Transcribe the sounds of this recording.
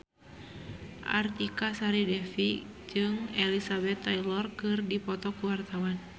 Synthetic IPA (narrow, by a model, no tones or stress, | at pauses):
ʔa̰rt̪ikasaɾidɛfi | d͡ʒɨŋɛlisabɛt̪ːajlɔrkɨrdipɔt̪ɔkuwart̪awan